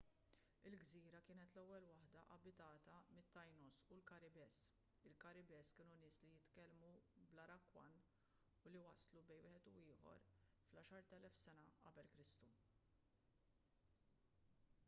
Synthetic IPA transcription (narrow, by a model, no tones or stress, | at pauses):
ɪlɡziːɾɐkɪːnɛt̪lɛwːɛlwɐħd̪ɐʔɐbɪt̪ɐːt̪ɐmɪt̪ːɐjnɔsulkɐɾɪbɛs | ɪlkɐɾɪbɛskɪːnunɪːslijɪt̪kɛlmublɐɾɐkwɐn | ʊliwɐslubɛjwɪːħɛt̪uɪːħɔ̰ɾ | flɐːʃɐɾt̪ɛlɛfsɛnɐɐ̰bɛlkɾɪst̪u